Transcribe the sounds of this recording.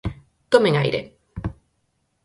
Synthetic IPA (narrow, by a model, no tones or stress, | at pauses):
t̪omẽŋa̰jɾḛ